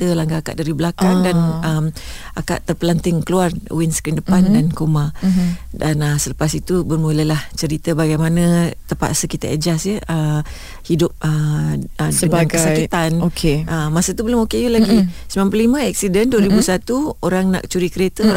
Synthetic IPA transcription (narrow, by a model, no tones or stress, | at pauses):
t̪əlaŋɡaaka̰ʔ̚daɾibəlakaŋdanəmaka̰ʔt̪ərpəlant̪ɪŋkəluarṵwɪnsəkɪndəpandankoma | danəsələpasit̪ubərmulajlaht͡ʃəɾit̪əbaɡajmanə̃t̪əpa̰ʔ̪səkit̪aʔəd͡ʒasjəʔə | hidʊp̚ə | səŋanɡəsait̪anokʰeəmːasət̪ubəlʊmokejulaɡisəmãmpəllimə̃ɛk̚sidənduəɾibusat̪uoɾaŋna̰ʔkət͡ʃuɾikəɾet̪əo